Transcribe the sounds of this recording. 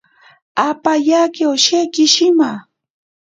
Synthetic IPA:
apajakewʃekɪʃɪma

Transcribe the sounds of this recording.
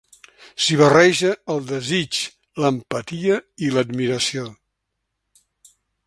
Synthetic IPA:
siβərɛʒəːlˠd̪əzit͡ʃ | ləmpət̪iəiləd̪miɾəsio

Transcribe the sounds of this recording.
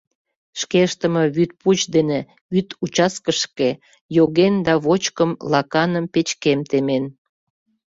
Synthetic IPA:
ʃkeʃt̪əmə̽βyt̪̚put͡ɕd̪ene | βyt̪ut͡ɕɑskəʃke | joɣend̪ɑβot͡ɕkəmlɑkɑnəmpet͡ɕkemt̪emen

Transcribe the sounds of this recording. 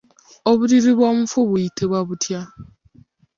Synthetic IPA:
oβuɾiɾiβo̞ːmufuβujitʰeβwaβutʰja

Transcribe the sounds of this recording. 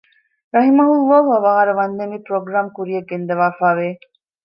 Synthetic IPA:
ɾɐɦimɐɦulˠːɔːɦuɐʋaːaɾɐʋɐnd̪enipɾoɡɾaːmkuɾijɐɡːend̪ɐʋaːfaːʋeː

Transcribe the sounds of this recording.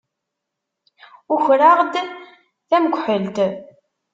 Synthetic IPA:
ʊçɾaʁd̪ | θæməɡʷħəlt̪

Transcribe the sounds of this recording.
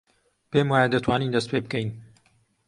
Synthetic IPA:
peːmwaːjad̪at̪ʰwaːniːnd̪ɐst̪peːb̚kɛjn

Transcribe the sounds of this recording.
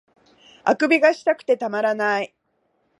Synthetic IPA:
akɯ̟bʲiɡaɕi̥t̪akɯ̥t̪e̞t̪amaɾanai

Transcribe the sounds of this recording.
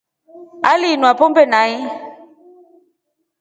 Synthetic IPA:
alinwapɔmbɛnai

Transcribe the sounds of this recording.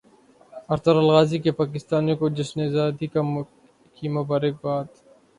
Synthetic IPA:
ɐɾt̪əɾɐlɣaːzikepaːkɪst̪aːnijõkod͡ʒɪsnezaːt̪ika | kimʊbaːɾɪk̚baːt̪

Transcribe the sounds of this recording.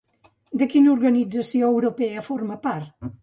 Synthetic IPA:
d̪əkinuɾɣənid͡zəsioəwɾupɛəfoɾməpaɾt̪

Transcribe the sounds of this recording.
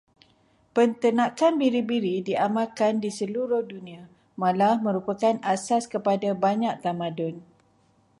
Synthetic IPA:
pənt̪ənãkanbiɾibiɾidiamãkandisəluɾʊhdunĩã | mãlahmə̃ɾupakanasaskəpadabaɲak̚t̪amãdɔn

